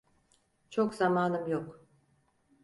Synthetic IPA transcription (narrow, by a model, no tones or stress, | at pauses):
t͡ʃʰo̞kzamaːnɯmjok